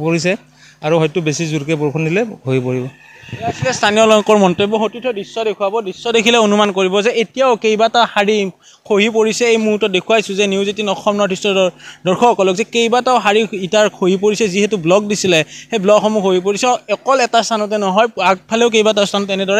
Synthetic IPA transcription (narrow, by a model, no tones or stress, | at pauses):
poɹis̬ɛ | aɹuhɔjtʊbesizuɾkɛbɔɹkʰɔndilɛhojpoɹibɔ | asikɛstʰanijɔlɔŋkɔɹmɔntɔibɔɦotitʰɔdɹisːɔdekʰuabɔdisːɔdekʰilɛonumankoɹibɔzɛetijaʊkejbatahaɹi | kʰoɦip̬oɹisɛejmuɦutɔt̚dekʰuwajsʊzɛniuzetinɔxɔmnɔtʰistɔdɔɹkʰɔɔkɔlɔkzɛkejbataʊɦaɹiitaɹkʰoɦipoɹisɛziɦɛtublɔk̚disilɛhejblɔɡxɔmukʰoɦip̬oɹisɛɛkɔlɛtastʰanɔt̬ɛnɔɦɔjaɡ̚pʰaleʊkejbataʊstʰanɔtɛnɛdɔɹɛ